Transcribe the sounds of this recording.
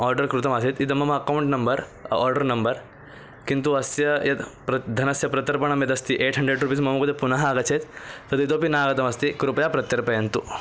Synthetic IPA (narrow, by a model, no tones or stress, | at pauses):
ɔːɾɖɐɾkɾut̪ɐmaːsit̪it̪ɐmɐmɐɐkɐwɳʈnɐmbɐɾɔ̰ːɾɖɐɾnɐmbɐɾ | kint̪uɐsjɐjɐt̪pɾɐd̪ʱɐnɐsjɐpɾɐt̪ɐɾpɐɳɐmjɐt̪ɐst̪iʔeːʈʰɦɐɳɖɾeːɖɾuːpiːsmɐmɐkɐd̪ɐpunɐɦɐaːɡɐt͡ʃʰeːt̪t̪ɐd̪it̪oːpinaːɡɐt̪ɐmɐst̪ikɾupɐjaːpɾɐt̪jɐɾpɐjɐnt̪u